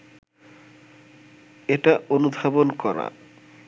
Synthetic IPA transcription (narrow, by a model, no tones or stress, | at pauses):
eʈaonub̪ʱabonkɔɾa̰